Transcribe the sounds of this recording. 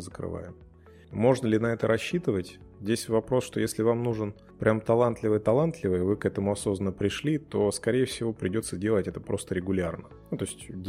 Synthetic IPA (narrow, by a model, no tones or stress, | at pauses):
zəkɾɨ̰va̰jɪm | mo̞ʐnəlʲɪnɐɛt̪əɾʔɐɕːit̪ɨvətʲ | zʲdʲesʲvɐpɾo̞sʂt̪o̞jesʲlʲɪvamnuʐɨn | pɾʲʔamt̪ɐlˠant̪lʲɪvɨjt̪ɐlˠant̪lʲɪvəjəvɨkɛt̪əmʊɐso̞znənːəpɾʲɪʂlʲit̪o̞skɐɾʲejəfsʲɪvo̞pɾʲɪdʲo̞t̪sːədʲe̞lˠətʲɛt̪əpɾo̞st̪əɾʲɪɡʊlʲarnənut̪o̞ɪsʲtʲdʲ